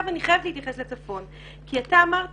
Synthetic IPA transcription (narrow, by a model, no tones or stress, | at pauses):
vaniχajavtleitjaχe̞slet͡safo̞n | kiataːmaʁ